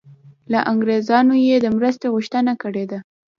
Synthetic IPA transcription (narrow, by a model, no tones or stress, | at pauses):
laʔaŋɡɾezɑnojed̪əmɾəst̪oɣuʃt̪ənakəɽed̪a